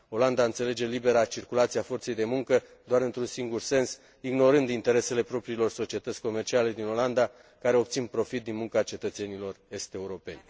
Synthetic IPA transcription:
o̞land̪aɨnt̪se̞le̞d͡ʒe̞libe̞ɾat͡ʃirkulat̪siafo̞rt̪se̞jd̪e̞muŋkə | d̪oaɾɨnt̪ɾunsiŋɡurse̞ns | iɡno̞ɾɨnd̪int̪e̞ɾe̞se̞le̞pɾo̞pɾiːlo̞rso̞t͡ʃie̞t̪ət̪sʲko̞mert͡ʃiale̞d̪ino̞land̪a | kaɾe̞o̞p̚t̪sinpɾo̞fit̪̚d̪inmuŋkat͡ʃe̞t̪ət̪se̞nilo̞re̞st̪e̞uɾo̞pe̞̰nʲ

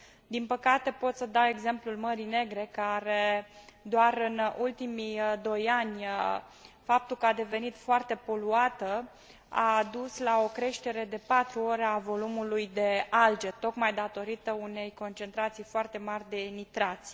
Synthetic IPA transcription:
d̪inpəkat̪e̞po̞t̪səd̪awe̞ɡze̞mplulməɾine̞ɡɾe̞kaɾe̞d̪oarɨnult̪imijd̪o̞janʲ | fap̚t̪ulkəad̪e̞ve̞nit̪foart̪e̞po̞luat̪ə | a̰d̪uslao̞kɾe̞ʃt̪e̞ɾe̞d̪e̞pat̪ɾuo̞ɾeavo̞lumulujd̪e̞ald͡ʒe̞t̪o̞kmajd̪at̪o̞ɾit̪əune̞jko̞nt͡ʃe̞nt̪ɾat̪sijfoart̪e̞marʲd̪e̞nit̪ɾat̪sʲ

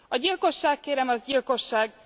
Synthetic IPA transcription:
ɒɟilko̞ʃːaːkːeːɾɛmɒzɟilko̞ʃːaːɡ

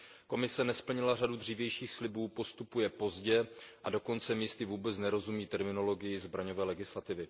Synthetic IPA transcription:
ko̞mɪsɛnɛspl̩ɲɪlar̝adud̪r̝iːvjɛjʃiːxslɪbuːpo̞st̪upujɛpo̞zɟɛʔado̞ko̞nt͡sɛmiːst̪ɪvuːbɛt͡snɛɾo̞zumiːt̪ɛɾmɪno̞lo̞ɡɪjɪzbɾaɲo̞vɛːlɛɡɪslat̪ɪvɪ

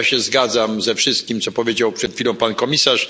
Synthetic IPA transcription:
ɕɛzɡad̪zamzɛfʂɘst̪̚kʲimt̪sɔpɔvʲjed͡ʑawpʂɛt̪fʲilɔ̃w̃pankɔmʲisaʂ

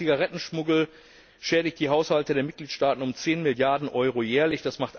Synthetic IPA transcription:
iɡaʁɛtn̩ʃmʊɡl̩ | ʃɛːɾɪçt̚d̥iːɦaʊshaltədeːɐmɪt̚ɡ̥liːtʃtaːtn̩ʊmt͡seːnmɪljaɐdn̩ʔɔʏʁojɛːɐlɪçd̥asmaχtʔ

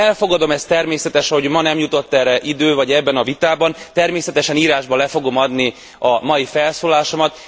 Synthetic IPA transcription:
ɛlfo̞ɡɒd̪o̞mɛst̪ɛrmeːsɛt̪ɛʃho̞ɟmɒnɛmjut̪o̞t̪ːɛrɛʔid̪øːvɒɟɛbːɛnɒvit̪aːbɒnt̪ɛrmeːsɛt̪ɛʃɛniːɾaːʒbɒlɛfo̞ɡo̞mɒd̪ni | ɒmɒjifɛlsoːlaːʃo̞mɒt̪

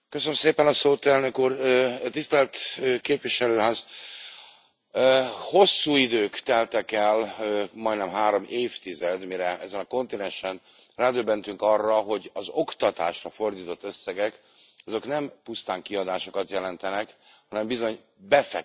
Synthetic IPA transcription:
køsønømseːpɛnɒsoːt̪ɛlnø̞kuːrt̪ist̪ɛlt̪ːkeːpʋiʃɛløːɦaːz | ho̞sːuːid̪øːkt̪ɛlt̪ɛkɛlmɒjd̪nɛmɦaːɾo̞mʔeːft̪izɛd̪miɾɛʔɛzɛnɒko̞nt̪inɛnʃɛn | raːd̪øbːɛnt̪yŋkɒrːɒɦo̞ɟɒzo̞kt̪ɒt̪a̰ːʃrɒfo̞rd̪iːt̪o̞t̪ːø̞sːɛɡɛk | ɒzo̞knɛmpust̪aːŋkiɒd̪aːʃo̞kɒt̪jɛlɛnt̪ɛnɛkhɒnɛmbizo̞ɲ | bɛfɛ

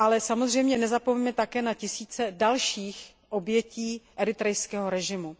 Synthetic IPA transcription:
ʔalɛsamozr̝ɛjmɲɛnɛzapomimɛt̪akɛːnacɪsiːt͡sɛdalʃiːx | ʔo̞bjɛciːʔɛɾɪt̪ɾɛjskɛːɦo̞ɾɛʒɪmu

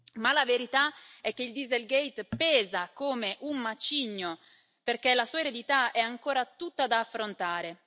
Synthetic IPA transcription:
malaveɾit̪aɛk̟ːeild̪izelɡejt̪pɛːzakoːmeʔummat͡ʃiɲːo | perk̟elasuːaeɾed̪it̪aɛaŋkoːɾat̪ut̪ːad̪aːfːɾont̪aːɾe

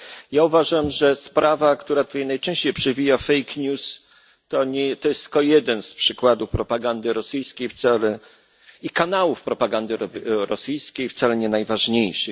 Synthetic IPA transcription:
jauvaʐamʐɛspɾavakt̪uɾat̪u̥t̪ajnajt͡ʂɛ̃ɕt͡ɕejpʂɛvʲijafɛjkɲus | t̪ɔɲɛt̪ɔjɛst̪kɔjɛd̪ɛnspʂɘkwad̪ufpɾɔpaɡand̪ɘɾɔsɘjskʲejft̪sɛlɛ | ikanawufpɾɔpaɡand̪ɘɾɔsɘjskʲejft̪sɛlɛɲɛnajvaʐɲejʂɘ

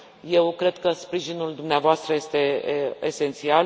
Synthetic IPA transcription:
je̞wkɾe̞d̪̥kəspɾiʒinuld̪umneavoast̪ɾəje̞st̪e̞ese̞nt̪sial

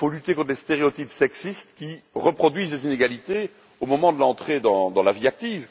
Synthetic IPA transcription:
ifolyt̪ekɔ̃t̪χəlest̪eʁeɔt̪ipsɛksist̪kʲiʁəpχɔd̪ɥizlezineɡalit̪e | omɔmɑ̃d̪əlɑ̃t̪χed̪ɑ̃d̪ɑ̃laviak̚t̪iːv

